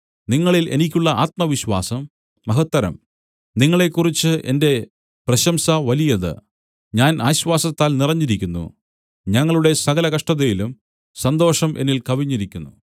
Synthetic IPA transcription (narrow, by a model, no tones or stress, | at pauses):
niŋːɐɭilʔe̞̰nikʲːuɭːɐaːt̪̚mɐʋiɕwa̰ːsɐmː | ɐɦɐt̪ːɐɾɐ̰m | niŋːɐɭe̞kːurit͡ɕːɨʔe̞̰nde̞ | prɐɕɐmsɐʋɐlijɐðɨ̰ | ɲaːnʔaːɕʋaːsɐt̪ːaːlnirɐɲːiɾikʲːunːṵ | ɲɐŋːɐɭuɽe̞sɐɣɐlɐkɐʂʈɐðɐjilum | sɐnd̪o̞ːʂɐmʔe̞nilkɐʋiɲːiɾikʲːunːu